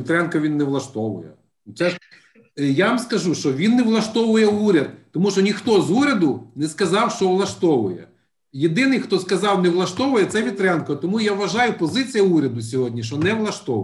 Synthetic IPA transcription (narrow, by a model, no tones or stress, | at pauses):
ʋʲit̪ɾɛnkɔʋʲinːɛʋlˠɐʃt̪ɔʋʊ̰jɛ̰ | sɛ | jaʋɐmskɐʒuʃt͡ʃɔʋʲinːeʋlˠɐʃt̪ɔʋʊjɛuɾʲɐd̪̚t̪ɔmuʃt͡ʃɔnʲixt̪ɔzuɾʲɐd̪ʊnɛskɐzɑwʃt͡ʃɔʋlˠɐʃt̪ɔʋʊjɛ̰ | jed̪ɪnɪjxt̪ɔskɐzɑwneʋlˠɐʃt̪ɔʋʊjɛt̪sɛʋʲit̪ɾɛnkɔt̪ɔmujaʋʋɐʒɑjʊpɔzɪt͡sʲijɐuɾʲɐd̪ʊs̬ʲɔɦɔdʲnʲiʃt͡ʃɔnɛʋlˠɐʃt̪ɔʊ̰